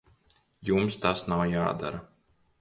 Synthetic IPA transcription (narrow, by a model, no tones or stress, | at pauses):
jumst̪asnawjaːd̪a̰ɾɐ